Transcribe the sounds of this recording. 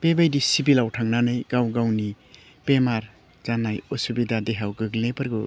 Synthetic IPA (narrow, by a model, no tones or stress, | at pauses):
pebajdisibilawtʰaŋnanɯjɡawɡawni | pemaɾ | zanajosubidadeɦawɡɯɡlepɯɾɡɯ